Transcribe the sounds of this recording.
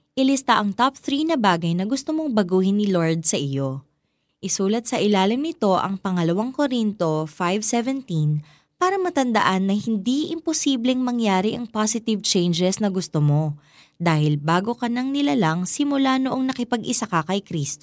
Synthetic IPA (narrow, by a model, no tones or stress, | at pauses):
ʔɪlɪst̪aʔɐŋt̪ap̚θɾinɐbaːɡɐjnɐɡʊst̪omo̞ŋbɐɡuːhɪnːɪloɹd̪̚sɐʔɪjo̞ | ʔɪsuːlɐt̪̚sɐʔɪlaːlɪmnɪt̪o̞ʔɐ̰ŋpɐŋɐlɐwaŋkoɾint̪o̞fajvsɛvɛnt̪in | paːɾɐmɐt̪ɐnd̪ɐʔanːɐhɪnd̪iʔɪmposiːblɛŋmɐŋjaːɾiʔɐŋpasɪt̪ɪvt͡ʃɛjnd͡ʒɛsnɐɡʊst̪omo̞ | d̪aːhɪlbaːɡo̞kɐnɐŋnɪlalɐŋsɪmʊlanoʔo̞ŋnɐkɪpɐɡʔɪsakɐkɐjkɾiːst̪o